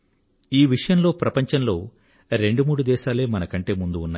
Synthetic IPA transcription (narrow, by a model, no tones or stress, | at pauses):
iːʋiʂɐjɐmlo̞ːpɾɐpɐɲt͡ʃɐnlo̞ː | ɾe̞ɳɖumuːɽud̪ɛːʃaːle̞ːmɐnɐkɐɳʈe̞ːmund̪uunːa̰